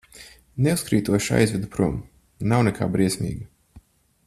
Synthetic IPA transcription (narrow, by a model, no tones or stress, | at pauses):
neuskɾiːt̪uɔʃa̰jzvʲid̪upɾum | nawnɛkʰa̰ːbɾiɛsʲmḭːɡɐ